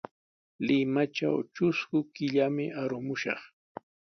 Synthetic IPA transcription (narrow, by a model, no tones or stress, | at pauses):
lɪmat͡ʃa̰wt͡ʃʊskʊkɪʎamɪʔaɾʊmʊʃɑ̰χ